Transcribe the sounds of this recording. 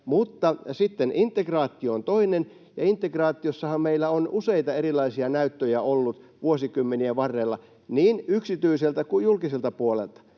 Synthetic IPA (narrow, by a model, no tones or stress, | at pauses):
mut̪ːɑsit̪ːenint̪ːˑekrɑːt̪ːˑioont̪oinen | jɑ̰int̪ːˑekrɑːt̪ːˑiosːɑhɑmmeilːˑæonuseit̪ɑeɾilɑisiɑnæyt̪ːøjæolːut̪ʋuosikymːeniæʋɑrːelːɑ | niːnyksit̪yiselt̪ækujjulkiselt̪ɑpuolḛlt̪ɑ̥